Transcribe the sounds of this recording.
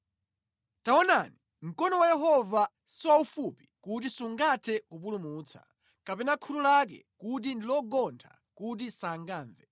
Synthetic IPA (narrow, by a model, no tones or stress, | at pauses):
taɔnani | m̩kɔnɔwajɛɦɔva | siwaufupi̥kut̬isuŋɡatʰɛkup̬ulumuːt͡sʰḁ̰ | kapɛnakʰutulak̬ɛ̰kut̬indilɔɡɔntʰa̰ | kut̬isaŋɡaːɱvɛ